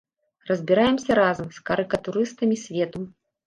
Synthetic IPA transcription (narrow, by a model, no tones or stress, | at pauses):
rɐzʲbʲiɾajɛmsʲɐɾazɐmskɐɾɨkɐt̪uɾɨst̪ɐmʲisʲvʲɛt̪u